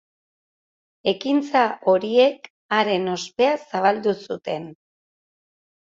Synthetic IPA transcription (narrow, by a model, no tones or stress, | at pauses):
e̞kint͡saʔo̞ɾie̞k | aɾe̞no̞spe̞asaβald̪usut̪e̞n